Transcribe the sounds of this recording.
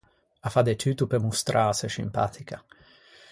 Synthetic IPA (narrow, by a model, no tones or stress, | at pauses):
afad̪et͡ʃ̪yt̪upemust̪ɾʔaːseʃimpa̰t̪ʰika